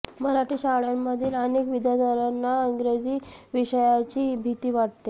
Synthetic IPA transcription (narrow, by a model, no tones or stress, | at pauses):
məɾaʈiːɕaɭjamːəd̪ʱiːlənekʋid̪ʱjad̪ʱəɾanːaiŋɡɾed͡ʑiːʋiɕəjat͡ɕiːbʱit̪iːʋaʈ̚t̪e